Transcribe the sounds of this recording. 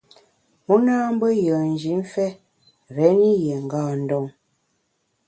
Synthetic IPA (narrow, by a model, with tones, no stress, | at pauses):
mɔ˦naː˦m̩˦bə˦jə˨n̩˨d͡ʒi˨˦ɱ˦fɛ˦ | ɾɛ˨˦ni˦jɛ˨ŋ̩˨ɡaː˦˨n̩˨dɔ˦˨ŋ